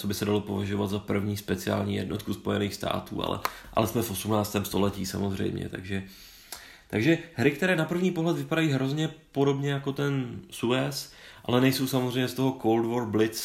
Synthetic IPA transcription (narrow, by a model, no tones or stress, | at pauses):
t͡sobɪsɛdalo̞po̞vaʒo̞vat̪zapr̩vɲiːspɛt͡sɪa̰ːlɲiːjɛ̰dno̞t̪kuspo̞jɛniːxst̪ʰa̰ːt̪ṵːʔa̰lɛ̰ʔa̰lɛsmɛfʔo̞sumnaːt͡st̪ɛːmst̪o̞̰lɛciːsa̰mozr̝ɛ̰jmɲɛ̰t̪a̰ɡʒɛ | t̪aɡʒɛɦɾɪkt̪ɛɾɛːnapr̩vɲiːpo̞ɦlɛt̪vɪpadajiːɦɾo̞zɲɛpo̞do̞bɲɛjako̞t̪ɛnsuɛs | ʔa̰lɛnɛjso̞wsamozrɛjmɲɛst̪o̞ɦo̞koldvoɾblɪt͡s